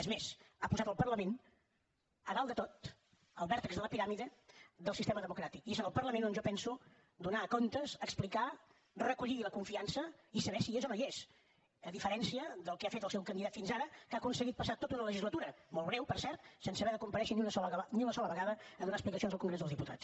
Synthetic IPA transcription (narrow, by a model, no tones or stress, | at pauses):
əzmezapuzat̪əlˠpərləmen | əɣalˠd̪ət̪ot̪ | əlˠβɛɾt̪əkzðələpiɾamiðəd̪əlˠsist̪eməðəmukɾat̪ikiezənəlˠpərləmẽnonʒɔpɛnsu | d̪unakont̪əzəksplika | rəkuʎiiləkuɱfiansəisəβɛsiezɔnəes | əðifəɾɛnsiəðəlˠkɛafet̪əlˠsɛwkənd̪iðat̪finzaɾəkakunsəɣit̪̚pəsat̪ot̪unələʒizlət̪uɾəmolˠβɾɛwpəɾsɛɾt̪sɛnsəβɛðəkumpəɾɛʃəniunəsɔəniunəsɔləβəɣaðəːðunaəsplikəsionzðəlˠkuŋɡɾezðəlˠzðiput̪a̰t͡s